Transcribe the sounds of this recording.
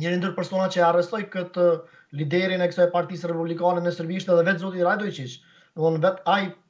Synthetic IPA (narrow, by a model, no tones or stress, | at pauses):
ɲəɾind̪yɾpɛɾsɔnat͡ɕəarɛst̪ɔjkət̪ə | lid̪ɛɾinɛkə̥sɔjɛpaɾt̪isrɛpublikanɛnɛsəɾbiʃt̪ɛðɛvɛt̪zɔt̪̬iɾajd̪ɔjt͡ʃiʃ | nəunvɛt̪aj